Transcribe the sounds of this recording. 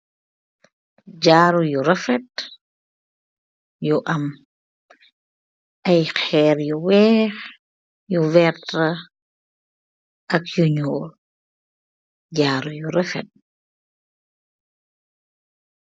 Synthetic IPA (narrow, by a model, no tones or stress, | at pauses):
ɟaːɾujuɾɛfɛt̚ | juʔɐm | ʔɐjxɛːɾjuwɛːx | juvɛtɐ | ʔɐkjuɲuːl | ɟaːɾujuɾɛfɛ̰t̚